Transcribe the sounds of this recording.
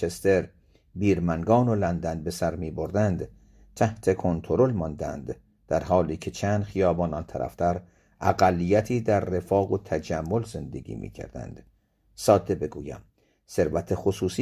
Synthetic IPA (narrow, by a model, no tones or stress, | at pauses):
est̪e̞ɾ | biːɾmæŋɡɒːnolænd̪ænbe̞sæɾmiːbo̞ɾd̪ænd̪ | t̪ʰæht̪ʰe̞kʰo̞nt̪ʰoɾo̞lmɒnd̪æ̰nd̪̥ | d̪̥æɾhɒːliːcʰe̞t͡ʃʰæːnd̪̥χijɒːbɒːnɒːnt̪ʰæɾʔæ̰ft̪ʰæɾ | ʔæɡælːijæt̪ʰiːd̪æɾːe̞fɒːɣot̪ʰæd͡ʒæmːo̞lze̞nd̪e̞̰ɡḭːmḭːcʰæ̰ɾd̪æ̰nd̪̥ | sɒːd̪e̞be̞ɡuːjæ̰m | se̞ɾvæt̪ʰexosuːsi